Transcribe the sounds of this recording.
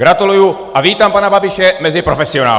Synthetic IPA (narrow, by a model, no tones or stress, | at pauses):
ɡɾat̪uluju | ʔaviːt̪ampanababɪʃɛmɛzɪpɾofɛsɪona̰ː